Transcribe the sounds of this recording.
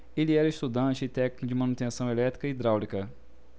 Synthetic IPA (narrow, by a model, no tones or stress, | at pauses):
eliɛɾɐɪst̪ud̪ɐ̃t͡ʃɪɪt̪ɛknikʊd͡ʒɪmɐ̃nut̪ẽsɐ̃w̃elɛt̪ɾikɐid̪ɾawlikɐ